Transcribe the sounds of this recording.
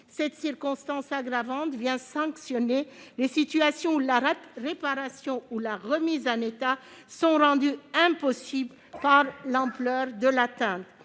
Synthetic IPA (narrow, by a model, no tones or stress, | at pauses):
sɛt̪siʁkɔ̃st̪ɑ̃saɡʁavɑ̃t̪vjɛ̃sɑ̃ksjɔnelesit̪yasjɔ̃ulaʁepaʁasjɔ̃ulaʁəmizɑ̃net̪a | sɔ̃ʁɑ̃d̪yɛ̃pɔsibl | paʁlɑ̃plœʁd̪əlat̪ɛ̃t̪